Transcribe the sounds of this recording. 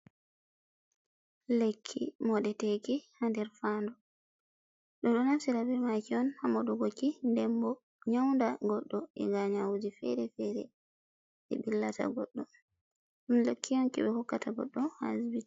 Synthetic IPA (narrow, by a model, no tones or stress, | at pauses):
lekʰːimɔɗɛtɛkihandɛɾfandɔ | ɗɔɗɔnafsiɾabɛɾmakiɔnhamɔɗuɡokːindɛmbɔ | ɲawndaɡɔɗːɔɛ̰ŋɡaɲawud͡ʒifɛ̰ɾɛfɛɾɛ̰ | ʔɛ̰bilːata̰ɡɔɗːɔ | ɗumlekʰːijɔnkḭɓɛhɔkːataɡɔ̰ɗːɔha̰zbit